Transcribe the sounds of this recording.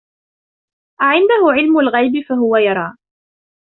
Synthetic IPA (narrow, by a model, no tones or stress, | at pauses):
ʔaʕɪnd̪ahʊʕɪlmʊlɣajbɪfaɦʊwajɑɾˤɑː